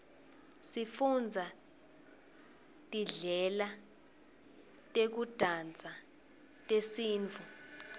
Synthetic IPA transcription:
sifund͡zʱa | tʼiɮɛla | tʼek̬ud̥ʱand͡zʱa | tʼesiːnt͡fʰu

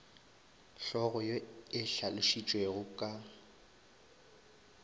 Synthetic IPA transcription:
ɬɔɣʊjɔɪɬalʊʃit͡ʃʼweɣʊkʼa

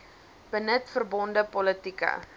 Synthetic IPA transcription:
b̥ənətfərbɔndəpɔlətikə̰

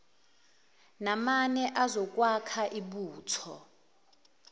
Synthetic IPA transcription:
namanɛʔazɔk̬ʼwakʰaʔiɓuːtʰɔ

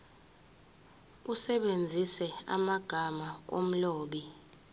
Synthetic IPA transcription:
usɛɓend͡zʱisɛa̰maɡ̥ʱamao̰m̩loːɓi

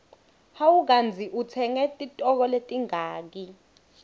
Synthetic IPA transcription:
hawuk̬and͡zʱiʔut͡sʰɛŋɛtʼitʼɔk̬ɔletʼiŋaːk̬i

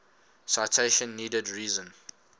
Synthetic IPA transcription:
saɪtʰeʃə̃nːiːdədɹiːzə̃n

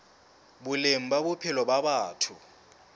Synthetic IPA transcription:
bʊlem̩babʊpʰɪlɔbaɓaːtʰʊ

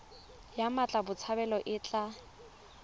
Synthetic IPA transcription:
jamat͡ɬʼabʊt͡sʰabɛlɔʔɪt͡ɬʼa

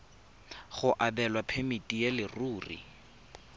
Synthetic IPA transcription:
χʊʔabɛlwapʰemitʼijelɪruːrḭ

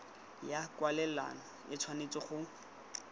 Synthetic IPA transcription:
jakwalɛla̰nɔ | ɪt͡sʰwanet͡sɔχʊ

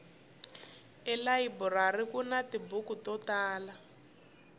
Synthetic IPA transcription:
ɛlaiburarikunatibukutɔtaːla

